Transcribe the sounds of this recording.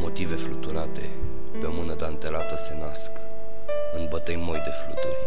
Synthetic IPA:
mo̞t̪ive̞flut̪uɾat̪e̞̰ | peomɨnəd̪ant̪e̞lat̪əsenask | ɨnbət̪əjmo̞jd̪e̞flut̪urʲ

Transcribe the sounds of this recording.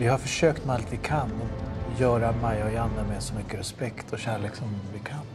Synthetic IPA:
vɪhaɾfœʂøːkt̪mɛalt̪vɪkʰanɔjœːɾamɛjɔɪand̪amɛsɔmʏkːəɾɛspɛkt̪ʰɔɕæːɭeːksɔmvɪkʰan

